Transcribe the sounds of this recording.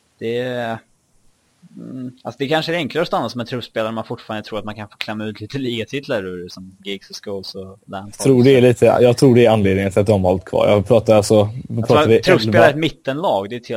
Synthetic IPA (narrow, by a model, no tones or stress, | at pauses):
d̪̥ɛ | alsɔd̪ɛkʰanʂəæɾɛŋklaɾɔst̪anːasɔmɛnt̪ʰɾɵfspeːlaɾɛmanfʊʈːfɑːɾand̪ət̪ɾuːɾat̪mankʰanfoːkʰlɛmːaʉ̟ːt̪ʰliːt̪əliːɡat̪ʰɪt̪ʰːlaɾʉɾsɔmɡɪɡsɔskolsɔlæt̪ʰɾuːɖɛːɭiːt̪əjɑːɡt̪ʰɾuːɖɛːɾanleːd̪nɪŋənt̪ʰɪlat̪̚d̪ɔmhɔlt̪ːkʰvɑ̰ːɾjɑ̰pʰɾɑːt̪aalsɔatʰɾɑːɪɾɵseːlaɾɛt̪mɪt̪ːənlɑːɡd̪ɛt̪ʰɪ